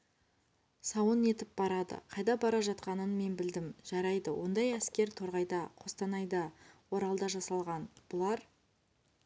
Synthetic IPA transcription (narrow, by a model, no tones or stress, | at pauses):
sɑwəne̞t̪ɪp̚b̥ɑɾɑd̪ə̰qʰɑjd̪ɑbɑɾɑʒɑt̪qɑnənme̞nbɪld̪ɪmʒ̥ɑɾɑjd̪əwʔo̞̰nd̪ɑjæskʲe̞ɾt̪ʰo̞ɾʁɑjd̪ɑqʰo̞st̪ɑnɑjd̪ɑwo̞ɾɑlˠd̪ɑʒɑsɑlˠʁɑnb̥ʊlˠɑɾ